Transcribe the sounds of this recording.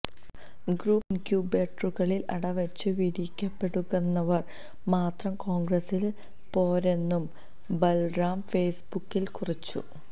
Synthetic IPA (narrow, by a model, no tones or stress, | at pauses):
ɡruːpkjuːbeːʈruɣɐɭilɐ̰ɽɐʋɐt͡ɕːɨʋiɾikʲːɐpːe̞ɽuɣɐnːɐʋɐr | maːt̪rɐmko̞ːŋɡrɐsil | po̞ːɾe̞nːum | belraːmfeːsbukːilkurit͡ɕːṵ